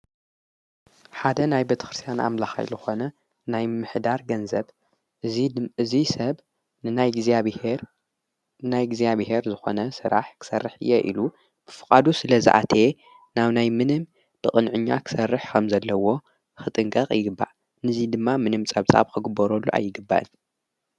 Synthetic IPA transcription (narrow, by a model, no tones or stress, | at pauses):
ħad̪ɐnajbet̪ʰɐ̥xɾɨst̪ʰijanʔa̰mlaxa̰jlɨxo̞nɐ | najmɨħd̪aɾɡɐnzɐβ | ɨzisɐβ | nɨnajɡzeɾ | najɡzijaβhe̞ɾzɨxo̞̰nɐsɨɾa̰ħkʰɨ̥sɐrːɨħɨ̰jːeʔḭlu | b̥ɨfɨkʼad̪usɨlɐzɨ̰ʔa̰t̪ʰe̞ | naβnajmɨnɨm | b̥ɨkʼɨnʕɨɲːa̰kʰɨ̥sɐrːɨħkʰɐmzɐlːɐwo̞ | xɨt̪ʼɨŋkʼɐqʼjɪɡɨbːa̰ʔ | nɨzid̪ɨmːamɨnɨmt͡sʼɐβt͡sʼa̰βkʰɨɡɨbːɐɾolːuʔa̰jːɨɡɨbːa̰ʔɨ̰n